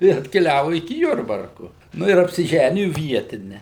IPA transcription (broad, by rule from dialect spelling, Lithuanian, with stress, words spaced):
ɪr ɐtʲkʲɛˈlʲæːʋʊ ɪkʲɪ ˈjʊrbɐrkʊ ˈnʊ ɪr ɐpʲsʲɪˈʒʲæːnʲɪjʊ ˈʋʲiɛtʲɪnʲɛ